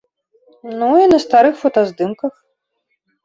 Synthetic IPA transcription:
nuinɐst̪aɾɨxfɔt̪ɐzd̪ɨmkɐx

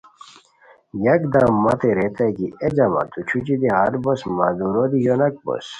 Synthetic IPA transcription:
jɐkd̪ãːmːɐt̪eɾet̪ɐkied͡ʑɐma̰t̪ut͡ɕʰut͡ɕid̪iɦaɾbosmad̪uɾod̪ijonɐk̚bo̰s

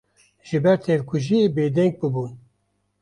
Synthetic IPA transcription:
ʒɨbɛɾt̪ʰɛlkʷʰuʒibeːd̪ɛŋɡ̚bɨbuːn

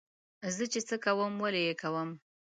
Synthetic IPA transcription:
zət͡ʃet͡səkawəmwalejekawəm

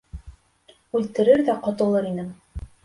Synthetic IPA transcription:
ʉlt̪ɘ̆ɾɘɾðæqɑt̪ɤ̆lˠɤɾinɘm

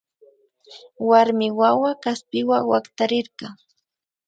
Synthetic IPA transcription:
waɾmɪwawakaspɪwawakt̪aɾɪɾɢɑ

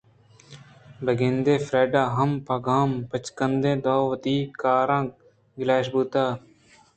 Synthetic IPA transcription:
bɐɡẽnd̪eːfɾeːɖaːɦɐmpɐɡaːmpɐt͡ʃkənd̪ẽːd̪oːʋɐt̪iːkaːɾãː | ɡlaːɕ̬buːt̪aː

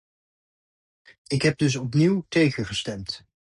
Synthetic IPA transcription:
ɪkɦɛb̚dɵs̬ɔp̬niwtejχəχəstɛmt

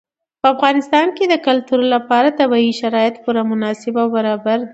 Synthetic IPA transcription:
pəafɣɑnɪst̪ɑnked̪əkalt̪uɾlapɑɾat̪abɑiʃaɾɑjɪt̪puɾamʊnɑsɪbawbaɾɑbaɾ

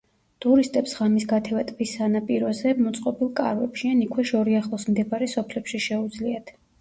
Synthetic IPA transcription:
t̪ʼuɾist̪ʼɛpsʁamisɡat̪ʰɛvat̪ʼbisːanapʼiɾɔzɛmɔt̪sʼqʼɔbilˠkʼa̰ɾvɛpʃianikʰwɛʃɔɾiaχlˠɔsmd̪ɛbaɾɛsɔpʰlɛpʃiʃɛud̪zliat̪ʰ

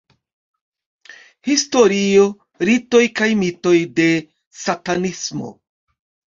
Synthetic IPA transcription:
histo̞ɾio̞ | ɾito̞jkajmito̞jde̞ | satanismo̞̰

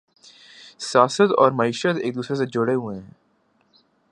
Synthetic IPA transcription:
sjaːsət̪ɔːɾmɐiːʃət̪ḛːk̚d̪uːsɾes̬ed͡ʒʊɽeɦuẽɦɛ̃ː

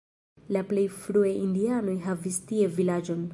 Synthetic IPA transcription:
laple̞jfɾuejindiano̞jɦavistie̞vilad͡ʒo̞n

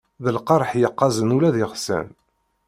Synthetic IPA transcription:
ðəlqɑɾˤħjəqːɑzənulæðɪʁsæ̰n

